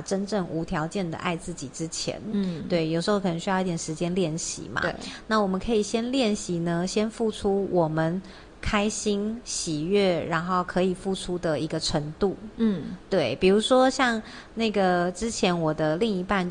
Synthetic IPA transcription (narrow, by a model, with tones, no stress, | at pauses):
ʈ͡ʂə˥nʈ͡ʂɤ˥˩ŋʔu˧˥t̪ʰjɑ˧˥ʊt͡ɕjɛ˥˩nd̪ə̰˩ʔa̰˥˧ɪt͡sɹ̩˥˩t͡ɕi˨˩ʈ͡ʂɻ̩˦t͡ɕʰjɛ̰˧˥˦nt̪we˥˩ɪjo˨˩ʊʂɻ̩˧˥xo˥˩kʰə˨˩nə˧˥ŋɕy˥˧i˥˩jɛ˨˩ʂɻ̩˧˥t͡ɕjɛ˥nljɛ˥˩nɕḭ˧˦ma̰˧na˥˩wɔ˨˩mə˦kʰɤ˧˥i˨˩ɕjɛ˥nljɛ˥˩nɕi˧˥˦nə˧ɕjɛ˥nfu˥˩ʈ͡ʂʰu˥wʔɔ˨˩mə˨˦n | kʰa˥ɪɕi˥nɕi˨˩ɥɛ˥˩ɻa˧˥nxo˥˩ʊkʰɤ˧˥i˨˩fu˥˩ʈ͡ʂʰu˥d̪ə˨i˧˥ɡə˧ʈ͡ʂʰə˧˥ŋt̪u˥˩˥t̪we˥˩ɪpi˨˩ɻu˧˥ʂwɔ˥ɕjɑ˥˧ŋ | na˥˩ɪɡə˩ʈ͡ʂɻ̩˥t͡ɕʰjɛ˧˥nwɔ˨˩d̪ə˦li˥˩ŋi˧˥pa˥˩˧nt͡ɕ